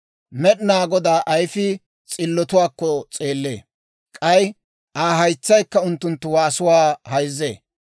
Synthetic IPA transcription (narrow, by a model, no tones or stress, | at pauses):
mɛɗɪnaːɡɔd̪aːʔɐjfɪ | t͡sʼɪlːɔt̪ʊwaːkːɔt͡sʼeːlːḛː | kʼɐj | ʔaːɦɐjt͡sːɐjkːɐʊnt̪ːʊnt̪ːʊwaːsʊwaːhɐjzːḛː